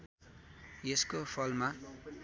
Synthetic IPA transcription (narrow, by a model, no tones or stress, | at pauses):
jeskopʰʌlma